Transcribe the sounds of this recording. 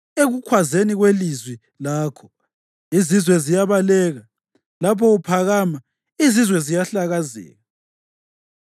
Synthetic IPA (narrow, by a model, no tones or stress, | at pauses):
eɣukʰwazeniɣwelizwi | laːkʰɔ̥ | izizwɛzijaβalɛːɣa | lapʰɔupʰaɣama | izizwɛzijaɬaɣazɛ̰ːɣa